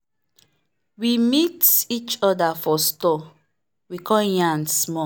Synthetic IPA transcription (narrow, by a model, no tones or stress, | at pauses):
wimitit͡ʃɔdafɔstɔ | wikʰɔ̃jãnsmɔ